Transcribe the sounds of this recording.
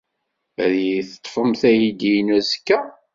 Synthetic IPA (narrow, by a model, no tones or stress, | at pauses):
æðiθə̥t̪ˤːfəmθæjid̪inæzəkːæ